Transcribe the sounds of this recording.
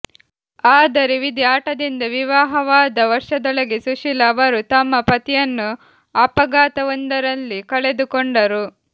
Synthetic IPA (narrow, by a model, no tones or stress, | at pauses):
aːd̪ɐɾeʋid̪jaːʈɐd̪ind̪ɐʋiʋaːɦɐʋaːd̪ɐʋɐɾʂɐd̪ɔɭɐɡesuʂilɐʋɐɾut̪ɐmːɐpɐt̪ijɐnːu | ɐpɐɡaːt̪ɐʋɐnd̪ɐɾɐlːikɐɭe̞d̪ukoɳɖɐɾu